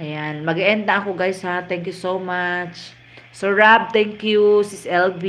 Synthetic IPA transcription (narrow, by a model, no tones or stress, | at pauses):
ʔɐjanmɐɡɪʔɛnd̪ɐʔɐkoɡajshat̪ɛ̃ŋkjusowmat͡ʃ | soɹab̚t̪ɛ̃ŋkjusɪsɛlbi